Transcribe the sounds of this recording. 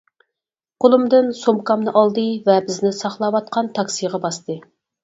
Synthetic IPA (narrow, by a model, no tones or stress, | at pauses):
qʰolˠɨmd̪ɨnsomkɑmnɨʔɑlˠd̪ɨvɛbɪznɪsɑχlˠɑwɑt̪̚qʰɑnt̪ʰɑksijʁɑbɑst̪ʰɨ